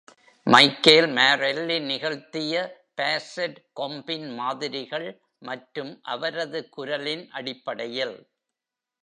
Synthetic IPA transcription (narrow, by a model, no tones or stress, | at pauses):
mɐɪkːeːlmaːɾɛlːɪnɪɣɐɭt̪ɪjɐpeːseɖkɔmbɪnmaːðɪɾɪɣɐɭ | mɐʈɾɯmʔɐʋɐɾɐðɯkʊɾɐlɪnʔɐɽɪpːɐɽɐjɪl